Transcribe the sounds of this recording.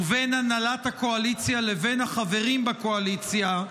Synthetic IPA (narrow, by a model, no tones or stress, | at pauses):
ve̞nanalathako̞alit͡sjale̞ve̞naχave̞ʁimbako̞alit͡sja